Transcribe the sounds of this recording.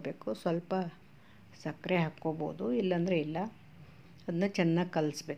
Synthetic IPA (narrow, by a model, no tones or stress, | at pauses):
beːkusʋɐlpɐ | sɐkɾeɦakːoːbo̰ud̪uilːɐnd̪ɾeilːɐ | ɐd̪ɐnːut͡ʃɛnːaːɡkɐlsbeː